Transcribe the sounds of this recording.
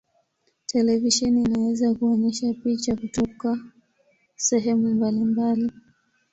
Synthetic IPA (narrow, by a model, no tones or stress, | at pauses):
tʰɛlɛviʃɛniːnawɛzakuɔɲɛʃapit͡ʃakutɔka | sɛɦɛmumbalimbali